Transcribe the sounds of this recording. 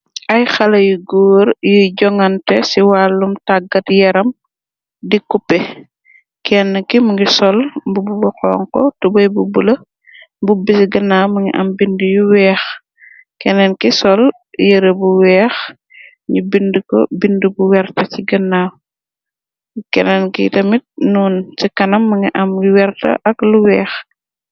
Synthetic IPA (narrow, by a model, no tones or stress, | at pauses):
ʔɐjxɐlɐjuɡoːɾjuɟɔŋɐntɛsiwaːlːumtaɡɐtjɛɾɐm | dikupːɛ | kɛnːɐkimuŋɡisɔlbububɐxɔ̰ːŋkɔtubɐjbubulɐ | bubisiɡɐnːaːmuŋɡḭʔɐ̰mbindujuwɛːx | kɛnɛnkisɔl | jəɾebuwɛːx | ɲubindəkɔ̰bindubuwɛrtɐciɡɐnːaːw | kɛnɛnkḭtɐmit̚nuːnt͡ʃikɐnɐmːɐŋiʔɐmjuwɛrtɐ̰ʔɐkluwɛːx